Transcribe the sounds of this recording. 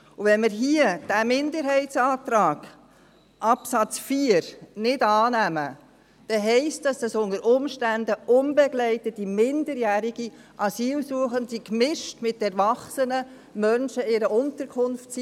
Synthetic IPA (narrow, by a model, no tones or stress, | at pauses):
uʋɛnmɪɾɦiəd̥æmɪndəɾɦɛɪtsɑːt̪ɾɑːɡ̥ | ʔɑpsɑt͡sfiəɾnɪdɑːnæmə | d̥ɛɦɛɪstdɑsd̥ɑsʊnəɾʔʊmʃtændəʊnbɛɡlɛɪtətimɪndəɾjæːɾiɡi | ʔɑsiːlsuəχəndikmɪʃtmɪtːɛɾvɑχsənə | mœnʃəɪɾəʔʊntəɾkʰʊnftsi